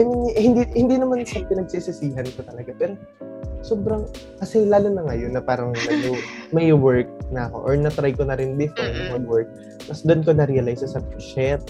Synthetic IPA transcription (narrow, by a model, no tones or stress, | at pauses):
ɐnnhɪnd̪ihɪnd̪iːnɐmanʃɐpɪnɐɡ̚sisɪsiːɦɐnkot̪ɐlɐɡapɛːɾo̞ | soːbɾɐŋ | kɐsɛlaːlʊnɐŋajonːɐpaːɾɐŋmɐd͡ʒomɐjwɛɹk̚nɐɐko̞̰ʔoɹnɐt̪ɾajkonɐɾɪnd̪ɪfɾɛnt̪nɐmɐɡ̚wɛɹk̚ | t̪ɐsd̪onkonɐɾiɐlajsɐsɐpʃɛt̪̚